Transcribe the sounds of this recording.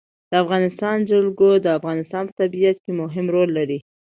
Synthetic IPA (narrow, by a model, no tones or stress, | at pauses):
d̪̥əafɣɑnɪst̪ɑnd͡ʒalɡod̪əafɣɑnɪst̪ɑnpə̥t̪abiat̪kemʊɦɪmɾolːaɾi